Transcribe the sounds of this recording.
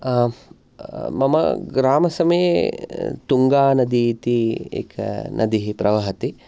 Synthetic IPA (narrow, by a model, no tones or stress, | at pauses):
mɐmɐ̰ɡɾaːmɐsɐmeː | t̪uŋɡaːnɐd̪iːt̪iḛːkʰɐ̰nʔɐ̰d̪iɦipɾɐʋɐɦɐt̪i